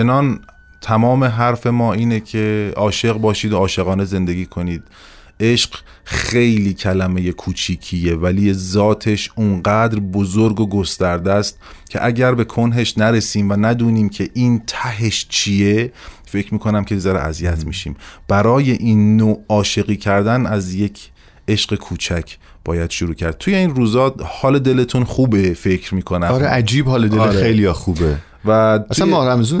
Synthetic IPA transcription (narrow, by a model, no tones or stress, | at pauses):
enɒːn | t̪ʰæmɒːme̞ɦæɾfe̞mɒːiːnecʰe̞ɒːʃe̞ɣbɒːʃiːd̪oɒːʃe̞ɣɒːne̞ze̞nd̪e̞ɡiːkʰo̞niːd̪̥̚ | ʔe̞ʃɢ | xe̞jliːcʰælæmeje̞kʰuːt͡ʃʰiːcʰijevæliːzɒːt̪ʰe̞ʃunɢæːd̪ɾbozoɾɡoɡost̪æɾd̪æst̪̚cʰe̞̰ʔæɟæɾbe̞kʰonɦe̞ʃnæɾe̞siːmvænæd̪uːniːmcʰe̞ʔiːnt̪ʰæɦe̞ʃt͡ʃʰiefe̞cʰɾmiːkʰo̞næmcʰezæɾḛʔæ̰zijæt̪miːʃḭːmb̥æɾɒːje̞ʔiːnːoːɒːʃe̞ɣiːcʰæɾd̪ænæzje̞cʰ | e̞ʃɢe̞kʰuːt͡ʃʰæcʰ | b̥ɒːjæd̪̥ʃoɾuːcʰæ̰ɾd̪̥̚t̪ʰuje̞iːnruːzɒːd̪hɒːled̪e̞le̞t̪ʰunχuːbe̞fecʰɾmiːkʰonæmɒɾeʔæd͡ʒiːbhɒːled̪elːɾejlijɒxuːbe | væt̪æsʰuæmɒɾæmezun